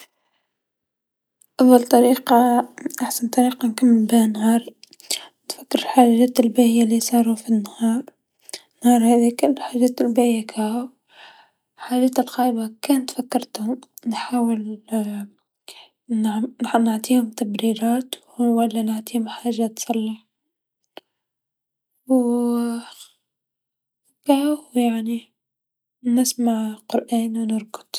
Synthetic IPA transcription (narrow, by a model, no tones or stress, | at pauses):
ʔɑðˤːɑlt̪ˤɑɾiːqɑʔaħsant̪ˤːɑɾiːqɑnkamːɪmbɪhnhɑːɾˤ | nfakːəɾħaːʒæːt̪ɪlbæʔɪjːalisˤɑːɾˤufinːhɑːɾˤ | nhɑːɾˤhæðikʊlːħaʒæːt̪lbæʔɪjakʰæhʊ | ħaːʒæːt̪ɪlqɑːʔbakæːnt̪fakːɑɾˤt̪hʊmnħaːwɪl | nnaʕt̪ˤiːhʊmt̪abɾiːɾɑːt̪wwalːanaʕt̪ˤiːhʊmħaːʒːat̪sˤɑlːɑħ | w | kaːhjaʕni | nɪsmaʕqʊɾʔaːnwnɪɾɡʊ̥d̪̥